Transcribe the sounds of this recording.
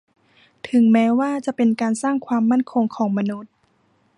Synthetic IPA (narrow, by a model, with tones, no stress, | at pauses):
t̪ʰɯ˩˦ŋmɛː˦˥waː˥˩t͡ɕa˨˩ʔpe˧nkaː˧nsaː˥˩ŋkʰwaː˧mːa˥˨nkʰo˧ŋkʰɔː˩˦ŋma˧nu˦˥t̪̚